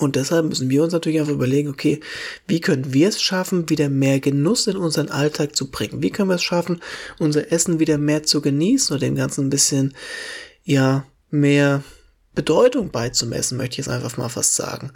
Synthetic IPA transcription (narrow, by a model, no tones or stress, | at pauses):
ʔʊntd̥ɛshalp̚mʏsn̩viːɐʊnsnatʰyɐlɪçaɪfaχyːbɐleːɡŋ̩okʰeːviːkʰœnənviːɐɛsʃafn̩viːdɐmeːɐɡənʊsɪnʔʊnzəʁənʔaltʰaːk̚t͡subʁɪŋənviːkʰœnviːɐɛsʃafn̩ʔʊnzɐʔɛsn̩viːdɐmeːɐt͡suɡəniːsnʔoːdɐd̥eːmɡant͡sn̩nbɪsçən | jaː | meːɐ | b̥ədɔʏtʊŋb̥aɪt͡sumɛ̰sn̩mœ̰çtɪçjɛsʔa̰ɪnfaχma̰ːlfa̰stz̥a̰ːɡŋ̩